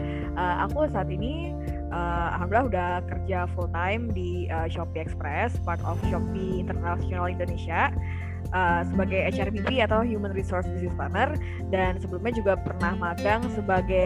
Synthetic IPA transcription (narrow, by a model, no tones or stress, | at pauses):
ʔəa̰kusaːt̪ini | ʔəa̰ɦamdilahudahkərd͡ʒafult̪ajmdi | əʃɔpiɛkspɾɛspart̪ɔfʃɔp̚iːnt̪ərnasionalindonesia | ʔəsəbaɡajɛt͡ʃɛrbipiat̪awɦjumənrisorsbisnɪsbanər | dansəbəlumɲad͡ʒuɡapərnahmaɡaŋsəbaɡa